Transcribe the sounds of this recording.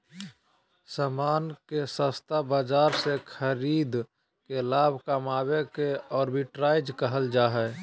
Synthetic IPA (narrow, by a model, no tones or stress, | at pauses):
saːmaːnkesə̃st̪abad͡ʒaːɾsekʰəɾiːd̪ | kelaːbʱkamaːbekeɔːɾbʱiʈɾaːɪd͡ʒkəɦəld͡ʒaːɦɛː